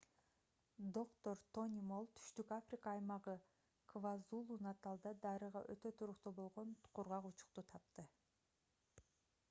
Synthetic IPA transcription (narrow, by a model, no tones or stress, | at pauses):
d̪o̞kt̪oɾt̪o̞nʲimolˠt̪ʰy̥ʃt̪ykafrʲikaːjmɑʁɯ | kʰvazulˠunɑt̪ɑlˠd̪ɑd̪ɑɾɯʁɑ̰ʔø̞t̪ø̞t̪ʰuɾuqt̪ubo̞lˠʁonqʰuɾʁɑqut͡ʃʊ̥q̚t̪ut̪ʰɑp̚t̪ɯ